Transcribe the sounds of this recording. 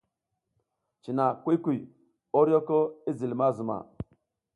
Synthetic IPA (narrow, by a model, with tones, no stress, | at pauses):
t͡ʃi˨na˨kʷi˦kʷi˨ | o˦ɾo˦ko˦i˦zi˨lma˦zu˨ma̰˨